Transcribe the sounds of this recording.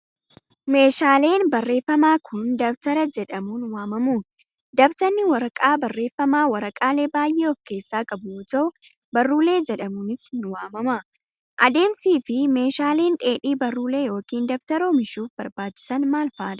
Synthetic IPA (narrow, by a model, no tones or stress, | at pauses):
me̞ːʃaːle̞ːnbɐrːe̞ːfːɐmaːkʰʊnd̪ɐbt̪ɐɾɐd͡ʒɛᶑɐmuːnwaːmɐmuːn | d̪ɐbt̪ɐnːɪwɐɾɐkʼaːbɐrːe̞ːfːɐmaːwɐɾɐkʼaːle̞ːbaːjʔeːɔfke̞ːsːaːkʼɐbʊʊt̪ɐʊ | bɐrːuːle̞ːd͡ʒɛᶑɐmuːnɪsɪnwaːmɐmɐ | dʔɐd̪e̞ːmsiːfɪme̞ːʃaːle̞ːnᶑe̞ːᶑiːbɐrːuːle̞ːjo̞ːkiːnd̪ɐbt̪ɐɾoːmɪʃuːfbɐɾbaːt͡ʃːɪ̥sɐnmaːlfaːᶑɐ